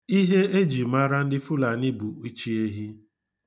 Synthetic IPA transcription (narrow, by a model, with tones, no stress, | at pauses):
i˦ɦe˦e˦d͡ʒi˨ma˦ɾa˦n̩˦dɪ˦fu˦la˨ni˦bu˨i˦t͡ʃi˦e˦ɦi˦